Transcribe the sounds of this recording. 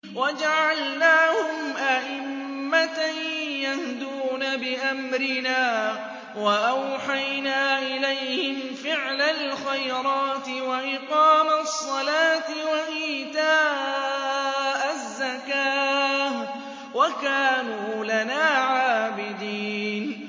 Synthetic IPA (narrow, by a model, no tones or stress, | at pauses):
wad͡ʒaʕalnaːhʊmʔaʔɪmː | at̪ajahd̪uːnabɪʔamɾɪnaː | waʔawħajnaːʔɪlajhɪmfɪʕlalxajɾˤɑːt̪ɪwaʔɪqɑːmasˤːɑlaːt̪ɪwaʔiːt̪aː | ʔazːakaːh | wakaːnuːlanaːʕaːbɪd̪iːn